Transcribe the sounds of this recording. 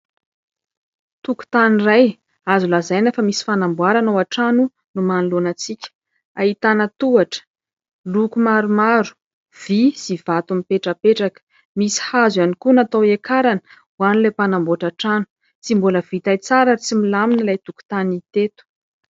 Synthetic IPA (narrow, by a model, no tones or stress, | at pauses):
t̪uku̥t̪aniraj | azulazajnafəmisi̥fanambuaɾanawaʈ͡ʂanu | numanilonat͡sikʲə̥ | ait̪anət̪uaʈ͡ʂə̥ | lukumaɾumaɾu̥ | v̥isiv̥at̪umipeʈ͡ʂəpeʈ͡ʂakə̥ | misi̥hazwanikunat̪awekaɾanə̥ | wanilepanamboaʈ͡ʂaʈ͡ʂanu̥ | t͡simboləv̥it̪ajt͡saɾait͡similaminəlajt̪uku̥t̪anit̪et̪u̥